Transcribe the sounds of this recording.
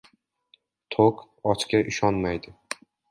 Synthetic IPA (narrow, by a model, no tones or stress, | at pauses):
t̪ʰok | ɒt͡ʃkʲaʔɪʃɒnmajd̪ɪ